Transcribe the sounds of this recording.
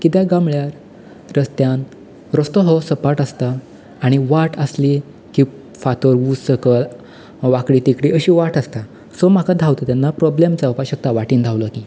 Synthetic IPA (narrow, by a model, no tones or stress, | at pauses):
kit̪jaɡamɭjaɾ | ɾəst̪jan | ɾɔst̪ɔɦɔsəpaʈəst̪aː | ɽ̃iʋaʈəsli | ki | fat̪əɾʋussəkəɭ | ʋakɽit̪ikɽiəɕiʋaʈəst̪a | sɔmakad̪ʱawt̪at̪janːapɾɔblemd͡zaupaɕək̚t̪aʋaʈiːnd̪ʱawlɔki